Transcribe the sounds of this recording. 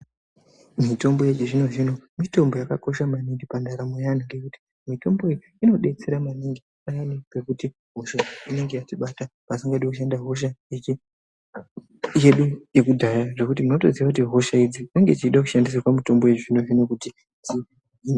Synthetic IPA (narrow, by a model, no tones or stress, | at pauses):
mito̞mbo̞jet͡ʃiʐino̞ʐino̞mito̞mbo̞jakako̞ʃamaniŋɡipandaɾamwejaniŋɡekuti̥ | mito̞mbo̞i | ino̞ɗe̞t͡se̞ɾamaniŋɡi | ajanike̞kuti | ɦo̞ʃaine̞ŋɡe̞jatiɓatapasiŋɡaɗekuʃandaɦo̞ʃ̬aet͡ʃi | je̞ɗuje̞kudʱajaʐe̞kutimuno̞to̞ziʋak̬utiɦo̞ʃaid͡zineŋɡe̞t͡ʃiɗakuʃandis̬akwamito̞mbo̞jet͡ʃiʐino̞ʐino̞kuti | ti | in